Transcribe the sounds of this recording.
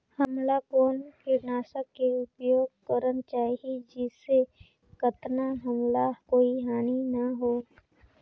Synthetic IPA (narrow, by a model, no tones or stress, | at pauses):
həmlakoːnkɪnaːsəkːeʊpjoːɡ̚kəɾənt͡ʃaːid͡ʒɪse | kət̪naɦəmlakoːiɦaːninɐɦoː